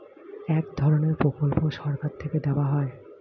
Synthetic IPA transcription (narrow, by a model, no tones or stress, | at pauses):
ɛkd̪ʱɔɾoneɾpɾokolpoʃɔɾkaɾt̪ʰeked̪ɛoaɦɔe